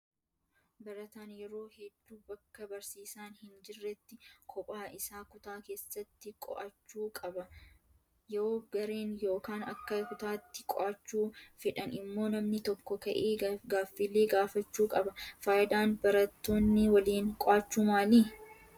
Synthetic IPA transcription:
bɐɾɐt̪aːnjɛɾo̞ːhɛd̪ːuːbɐkːɐbɐɾsiːsaːnhɪnd͡ʒɪrːɛt̪ːɪkʰɔpʼaːɪsaːkʊt̪aːke̞ːsːɐt̪ːɪkʼɔ̰ʔɐt͡ʃːuːkʼɐbɐ | jɾoːɡɐɾeːnjo̞ːkaːnɐkːɐkʊt̪aːt̪ːɪkʼɔ̰ʔɐt͡ʃːuːfɪᶑɐnɪmːo̞ːnɐmnɪt̪ɔkːɔkɐʔeːɡaːfːiːlːeːɡaːfɐt͡ʃːuːkʼɐbɐfaːjʔɪd̪aːnbɐɾɐt̪ːo̞ːnːɪwɐliːŋkʼɔʔaːt͡ʃːuːmaːliː

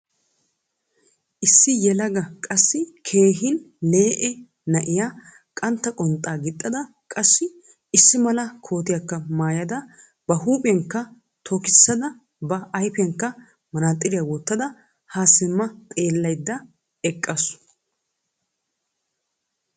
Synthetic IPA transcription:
ʔɪsːɪjɛlɐɡɐkʼɐsːɪkʰe̞ːɦɪn | le̞ːʔɛ | nɐʔɪjaː | kʼɐnt̪ːɐkʼɔnt̪ʼaːɡɪt̪ʼːɐd̪ɐ | kʼɐsːɪ | ɪsːɪmɐlɐkʰo̞ːt̪ɪjɐkːɐmaːjɐd̪ɐ | b̥ɐɦuːpʼɛŋkːɐ | t̪ʰɔkɪsːɐd̪ɐ | bɐɐjpɛŋkːɐ | mɐnaːt̪ʼːɪɾɪjawɔt̪ːɐd̪ɐ | haːsɪmːɐt̪ʼe̞ːlːɐjd̪ːɐ | ɛkʼːɐs

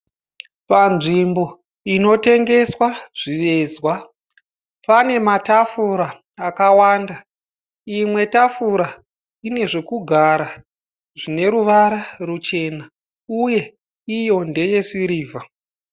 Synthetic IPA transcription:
panʐimbo̞ | ino̞te̞ŋɡe̞swaʐ̥iʋe̞zwa | pane̞matafuɾaː | kawaːnda | imwe̞tafuɾa | ine̞ʐe̞kuɡʱaɾa | ʐine̞ɾuʋaɾarut͡ʃe̞na | uje̞ | ijo̞nde̞je̞siɾiːvʱa

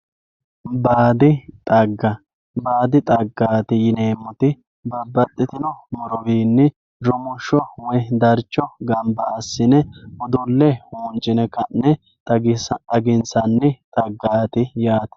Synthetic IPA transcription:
baːd̪ɪt̪ʼɐɡːɐ | baːd̪ɪt̪ʼɐɡːaːt̪ɪjɪneːmːɔt̪ɪ | bɐbːɐt̪ʼːɪt̪ɪnɔmɔɾɔbiːnːɪ | ɾʊmʊʃːɔwɛd̪ɐɾt͡ʃːɔɡɐmbɐːsːɪnɛʔɔd̪ʊlːɛhuːnd͡ʒɪnɛkɐnːɛ | tɐɡɪnsɐnːɪt̪ʼɐɡːaːt̪ɪjaːt̪ɐ̥

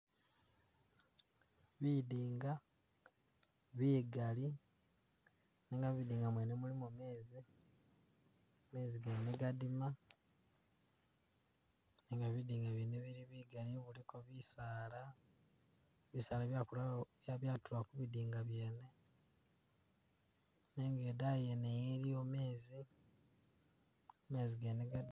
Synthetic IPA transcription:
βidiːŋɡa | βiːɡali | neːŋɡaβidiːŋɡamwenemulimume̞ːzi | me̞ːziɡeneɡadima | neːŋɡaβidiːŋɡaβineβiɾiβiɡaliβulikoβisaːla | βisaːlaβjakulaβjaβjaːtuwakuβidiːŋɡaβje̞ːne̞ | neːŋɡe̞dajenejeɾiome̞ːzi | ome̞ːziɡeneɡa

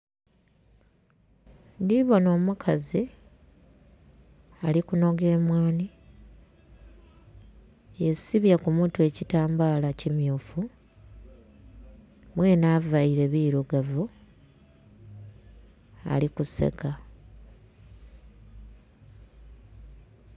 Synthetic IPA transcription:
ndiβo̞no̞ːmukʰazi | alikuno̞ɡe̞ːmwaːni | esiβjakumutue̞citaːmbaːlacimjuːfu | mwe̞ːnaːvaiɾe̞βiːɾoɡavu | a̰likuse̞̰ka

